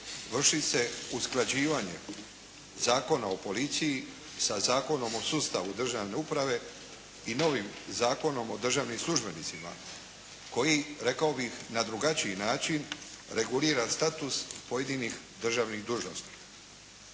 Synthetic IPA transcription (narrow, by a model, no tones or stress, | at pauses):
ʋr̩ʃise̞usklˠad͡ʑiːʋaɲe̞̰ | zaːko̞nao̞po̞lit̪siji | sazaːko̞no̞mo̞sust̪aʋud̪r̩ʒaʋne̞upɾaʋe̞ | ino̞ʋimzaːko̞no̞mo̞d̪r̩ʒaːʋnimslʲˠuʒbe̞nit̪sima̰ | ko̞jiɾe̞kaobixnad̪ɾuɡat͡ɕiinaːt͡ʃin | ɾe̞ɡuliːɾast̪at̪uspo̞jed̪inix | d̪r̩ʒaʋniɣd̪uːʒno̞̰st̪i̥